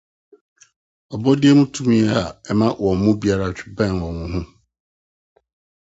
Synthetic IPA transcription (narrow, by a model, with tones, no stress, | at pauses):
ɔ˨bɔ˦dɪ˦ɛ˦mũ˦tʰũ˦mĩ˦ɛ˦a˨ɛ˦mã˦wʔɔ̃˨n̩˨mʊ̃˦bi˦a˦ɾa˦˨t͡ɕᶣɪ̥˨bɛ̃˦˨nwɔ̃˨wʊ̃˨ɦũ˦